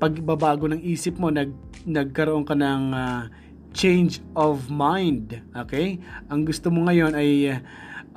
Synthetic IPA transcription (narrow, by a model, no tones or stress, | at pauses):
pɐɡɪbabaːɡo̞nɐŋʔiːsɪpmo̞nɐɡ̚ | nɐɡ̚kɐɾoʔo̞ŋkɐnɐŋa | t͡ʃɛ̃jnd͡ʒʔovmajnd̪ʔoːkɛjʔɐŋɡʊst̪omoŋɐjo̞nɐj